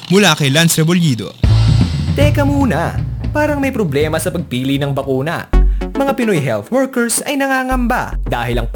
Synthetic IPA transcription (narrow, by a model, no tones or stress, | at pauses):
mʊlakɐjlansɾɛboljiːd̪o̞̰ | t̪ɛːkɐmuːnɐ̰paːɾɐŋmɐjpɾoblɛːmɐsɐpɐɡ̚piːlinɐŋbɐkuːnɐ̰mɐŋapɪno̞jɦɛlt̪wɛɹkɛɹsɐjnɐŋaːŋɐmba̰d̪aːhɪlɐŋp